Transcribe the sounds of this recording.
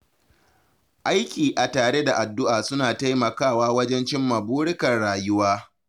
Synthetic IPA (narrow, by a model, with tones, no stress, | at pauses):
ʔa˦jkʲiː˨ʔa˨taː˨ɽe˦da˨ʔa˨dːʊ˦ʔaː˨sʊ˦naː˨ta˦jmɐ˨kaː˦˨waː˦wɐ˦d͡ʒɛ˦nt͡ʃɪ˦mːɐ˨buː˦ɽɪ˦kɐ˨rɽaː˨jʊ˦waː˦